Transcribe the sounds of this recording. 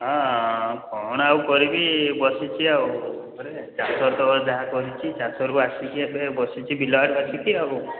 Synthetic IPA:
ɦɔ̃kʰɔñawkɔɾibibɔsit͡ʃʰiaw | ɔɾet͡ʃasɔɾt̪ɔɔd̪aakɔɾit͡ʃʰit͡ʃasɔɾkuasikiebebɔsit͡ʃʰibilɔʈbat͡ʃʰikiabu

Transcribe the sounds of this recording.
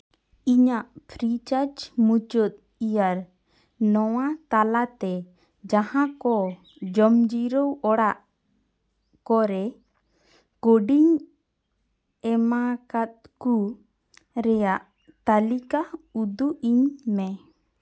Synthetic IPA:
iɲaʔpʰɾit͡ʃaɾd͡ʒmut͡ʃɔt̪̚ | ijaɾ | nɔwat̪alat̪ɛ | d͡ʒahãkɔ | d͡ʒəmd͡ʒiɾəwɔɽaʔ | kɔɾɛ | ɡ̥oɖiɲ | ɛmakat̪̚ku | ɾɛjaʔ | t̪alikaud̪uʔiɲmɛ

